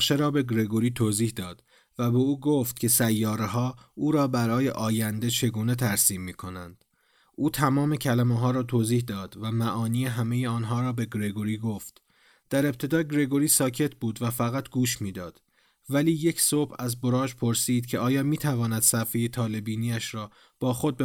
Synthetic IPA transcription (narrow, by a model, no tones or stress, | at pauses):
ʃeɾɒːbe̞ɡɾe̞ɡoɾiːt̪ʰoːziːhd̪ɒːd̪̥ | væbe̞uːɡoːft̪̚kcʰe̞sæjːɒːɾeɦɒːuːɾɒːbæɾɒːje̞̰ʔɒːjænd̪e̞t͡ʃʰe̞ɡuːne̞t̪ʰæɾsiːmːiːkʰo̞nænd̪̥ | ʔuːt̪ʰæmɒːme̞cʰælæmeɦɒːɾɒːt̪ʰoːziːhd̪ɒːd̪væmæʔɒːniːeɦæme̞jeɒːnɦɒːɾɒːbe̞ɡɾe̞ɡoɾiːɡo̞ft̪ | d̪̥æɾe̞pt̪ʰe̞d̪ɒːɡɾe̞ɡo̞ɾiːsɒːcʰe̞t̪ʰbuːd̪væfæɣæt̪ʰɡ̥uːʃmiːd̪ɒːd̪̥ | væliːje̞cʰsoːbæzbo̞ɾɒːd͡ʒpʰo̞ɾsiːd̪̥̚cʰe̞ɒːjɒːmiːt̪ʰævɒːnæd̪̥sæfejet̪ʰɒːle̞biːniːæʃɾɒː | b̥ɒːxo̞d̪̚be